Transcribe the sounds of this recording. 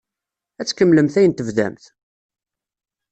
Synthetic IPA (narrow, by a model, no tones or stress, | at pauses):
æt͡sːkəmːləmθæjənt̪əvðæ̰mθ